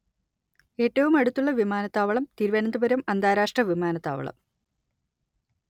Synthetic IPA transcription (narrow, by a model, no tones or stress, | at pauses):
e̞ːtːɐʋumɐɽut̪ːuɭːɐʋimaːnɐt̪ːaːʋɐɭɐmt̪iɾʋɐnɐnd̪ubɐɾɐmɐnd̪aːɾaːʂʈrɐʋimaːnɐt̪ːa̰ːʋɐ̰ɭɐ̰m